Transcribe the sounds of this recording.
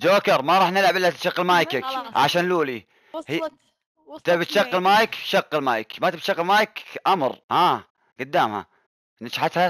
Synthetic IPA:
d͡ʒoːkɑɾˤmaɾˤɑːħnɪlʕɪbʔɪlːat̪ʃaqːɪlmaːjkakʕa̰ʃaːnluːli | h | t̪abt̪ʃaqːɪlmaːjɪkʃaqːɪlmaːjkmat̪abt̪ʃɑqːɪlmaːjkʔamɾˤhaː | ɡ̥ʊd̪ːaːmha̰ | nat͡ʃħat̪ha

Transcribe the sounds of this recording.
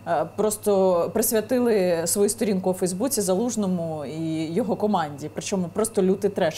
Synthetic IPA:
pɾɔst̪ɔpɾɪsʲʋʲjɐt̪ɪlˠɪsʋɔjust̪ɔɾʲinkʊufɛjzbut͡sʲizɐlˠuʒnɔmʊijɔɦɔkɔmɑnʲdʲipɾɪt͡ʃɔmʊpɾɔst̪ɔlʲud̪ɪt̪ɾɛ

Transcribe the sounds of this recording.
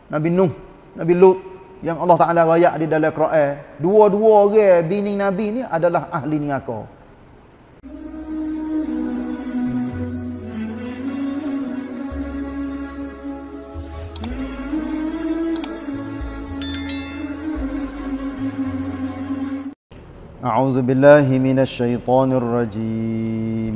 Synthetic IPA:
nabinʊh | nabilʊt̪̚ | jaŋɑlːɑht̪aʔalaɣajaʔdidalɛkɾaʔɛduɔduɔɣɛbinɪŋnabiniʔadalaɦaɦliniŋakɔ̰ | ʔaʕuːðʊbɪlːaːɦɪmɪnaʃːajt̪ˤɑːnrˤːɑd͡ʒiː | m

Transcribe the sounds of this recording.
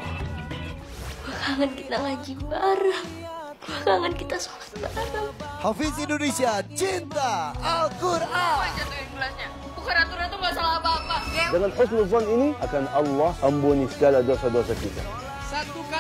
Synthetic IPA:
bakaŋankit̪aŋlaɡibaɾaŋ | bakaŋankit̪asu̥at̪̚baɾaŋhafisindonesiat͡ʃint̪aːkuraad͡ʒat̪umulasɲa | ukaɾat̪uɾant̪umasalaabaːpajdəŋanhʊsnʊzɔniniʔakanɑlːɑhəmbunisəɡaladosadosakit̪a̰

